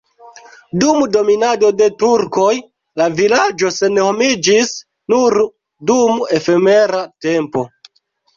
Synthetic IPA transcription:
dumdo̞minado̞de̞tuɾko̞j | lavilad͡ʒo̞se̞nho̞mid͡ʒis | nuɾ | dume̞fe̞me̞ɾate̞mpo̞

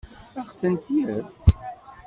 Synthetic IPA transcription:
æχθənt̪iəθ

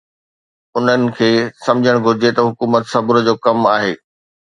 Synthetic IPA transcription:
ʊn̤ənɪ̆kʰeːsɐ̃md͡ʑʱəɽ̃ɡʱʊɾɪd͡ʑet̪ɐɦʊkuːmət̪sɐbʊɾ̆d͡ʑoːkɐmaːɦeː

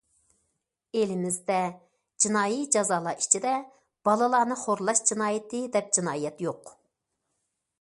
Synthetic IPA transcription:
elɪmɪzd̪ɛ | d͡ʒinɑːjid͡ʒɑzɑːlˠɑʔi̥t͡ʃʰid̪ɛ | b̥ɑlˠɨlˠɑːnɨχoɾlˠɑʃd͡ʒinɑːjɪt̪ɨd̪ɛp̚d͡ʒinɑːijɛt̪joq

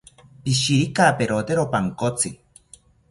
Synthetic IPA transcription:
piʃiɾikaːpeɾot̪eɾopaŋkot͡sɨ

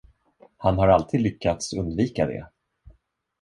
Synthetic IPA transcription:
hanɦaɾalt̪ʰiːd̪lʏkʰːat̪sɵnd̪viːkad̪ɛ̰

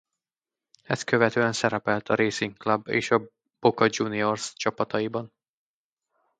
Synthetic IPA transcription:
ɛs̚kø̞vɛt̪øːɛnsɛɾɛpɛlt̪ʰɒɾeːsiŋklɒbːḛːʃɒ | b̥okɒd͡ʒuːnio̞rst͡ʃɒpɒt̪ɒjibɒn

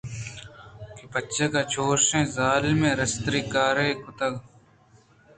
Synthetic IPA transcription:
kipət͡ʃeːkaːt͡ʃʰoːsẽːzaːlmẽːɾəst̪ɾiːkaːɾeːkʊt̪əɡ

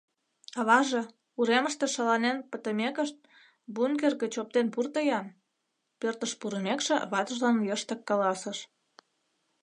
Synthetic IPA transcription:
ɑβɑʒe | uɾeməʃt̪ĕʃɑlɑnenpət̪ə̆mekəʃt̪̚ | bunkerɣĕt͡ɕop̚t̪enpurt̪ə̆jɑn | pørt̪əʃpuɾəmekʃḛβɑt̪ə̆ʒlɑnjəʃt̪ə̆kːɑlɑsə̆ʃ

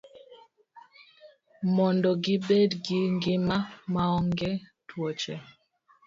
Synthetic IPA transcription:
mɔndɔɡɪbedɡiŋɡɪmamaɔŋɡɛtʰwɔt͡ʃɛ

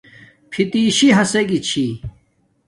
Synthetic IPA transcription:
pʰit̪iːɕiɦɐseɡit͡ɕʰi

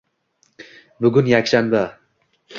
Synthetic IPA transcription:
bʊɡʲʊnjakʲʃanba

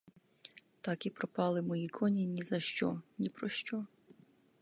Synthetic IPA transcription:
t̪ɑkipɾɔpɑlˠɪmɔjikʰɔnʲinʲizɐʃt͡ʃɔ̰nʲipɾɔʃt͡ʃɔ

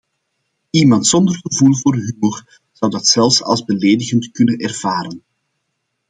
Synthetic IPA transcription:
imɑntsɔndərɣəvulˠvoːrɦymor | z̥ʌwdɑtsɛlˠfsɑ̰lˠzbəleːdəɣəntkɵnənɛrv̥aːɾən

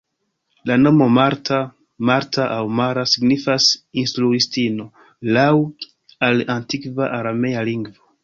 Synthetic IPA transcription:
lano̞mo̞maɾta | maɾtʰaʔawmaɾasiɡnifasinstɾuistino̞ | law | alantikvaʔaɾame̞jaliŋɡvo̞

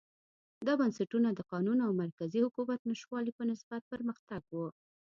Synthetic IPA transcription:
d̪ɑbansaʈunad̪əqɑnunoawmaɾkazihʊkumat̪̚naʃwɑlipənɪsbat̪̚pəɾməxt̪aɡwu

